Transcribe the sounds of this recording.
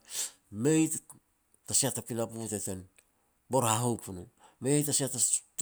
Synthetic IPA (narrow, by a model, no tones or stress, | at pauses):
me̞jt | tasiatːapilapute̞te̞n | boɾhaɦowpunu | me̞jtasiatat